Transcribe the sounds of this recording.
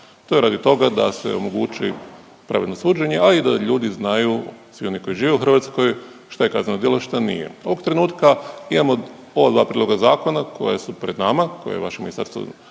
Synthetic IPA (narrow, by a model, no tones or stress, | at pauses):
t̪oeɾaːd̪it̪o̞ɡad̪a̰sḛo̞̰mo̞ɡut͡ʃi | pɾa̰ʋed̪nosuːd͡ʒeɲe̞aid̪aʎuːd̪iznajusʋio̞niko̞jiʒiːʋeuxɾr̩ʋaːt̪sko̞j | ʃt̪ajekaznanod̪jiloʃt̪anḭjḛo̞ʋoɡt̪ɾe̞nuːt̪kaimamo̞ | o̞ʋad̪ʋaːpɾiːlo̞ɡazaːko̞nako̞̰jesupɾed̪namakojḛjeʋa̰ʃimisa̰ɾt̪ṵ